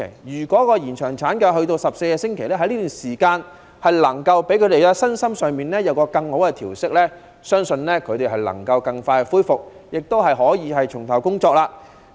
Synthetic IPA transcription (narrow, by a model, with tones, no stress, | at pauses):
jjyː˨˩kʷɔː˨˥kɔː˧jiː˨˩nt͡ʃʰœː˨˩ŋt͡sʰaː˨˥nkɛː˧ɦɵ˧ɥt̪o˧wsɐ˨p̚se˧jkɛː˧sɪ˥ŋkʰe˨˩jlɛː˥ɦɐ˧˥jliː˥t̪yː˨nsiː˨˩kaː˧n | hɐ˨jlɐ˨˩ŋkɐ˧wpe˨˥jkʰɵ˨˧t̪e˨jlɛː˥sɐ˥nsɐ˥msœː˨ŋmiː˨nlɛː˥jɐ˨˧wkɔː˧kɐ˧ŋho˨˥wkɛ˧t̪ʰiː˨˩wsɪ˥k̚lɛː˥ | sœː˥ŋsɵ˧nlɛː˥kʰɵ˨˧ɥt̪e˨jɦɐ˨jlɐ̰˨˩ŋkɐ˧wkɐ˧ŋfaː˧jkɛ˧fuː˥jfʊ˨k̚jɪ˨k̚t̪o˥whɐ˨jɦɔː˨˥jiː˨˧ɦɐ˨jt͡ʃʰʊ˨˩ŋt̪ʰɐ˨˩wkʊ˥ŋt͡ʃɔː˧k̚laː˧